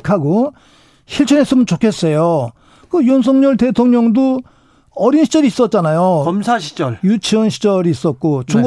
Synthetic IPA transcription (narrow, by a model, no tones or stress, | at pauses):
kʰaɡo | ɕʰiɭt͡ɕʰʌnɦes͈ɯmɯnt͡ɕokʰe̞s͈ejo | kɯjons̬ʰʌŋɲʌɭte̞tʰoŋɲʌŋdo | ʌɾinɕʰi̥t͡ɕʌɾiːs͈ʌt̚t͡ɕ͈anajoʌmsʰaɕʰi̥d͡ʑʌɭjut͡ɕʰɯnɕʰi̥d͡ʑʌɾiːs͈ʌt̚k͈ot͡ɕuɡ